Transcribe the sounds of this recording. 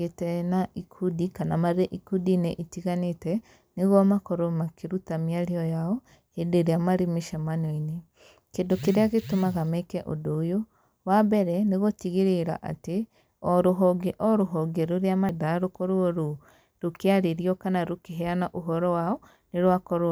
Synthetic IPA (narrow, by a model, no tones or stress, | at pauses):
etɛnaʔikʰudikanamaɾeʔikudineʔitiɣanetɛ | neɣɔmakɔɾomakeɾutamiaɾiɔjaɔ | hedeɾeamaɾemeʃamanɔine | kendokeɾeaɣetomaɣamɛkɛʔodoːjo | wabɛɾɛneɣotiɣeɾeɾa̰ʔa̰te | ɔɾoɦɔɡeʔɔɾoɦɔɡeɾoɾeamadaɾokɔɾoɔɾo | ɾokeaɾeɾiɔkanaɾokeɦɛanaʔoɦɔɾɔwaɔ | neɾwakɔɾo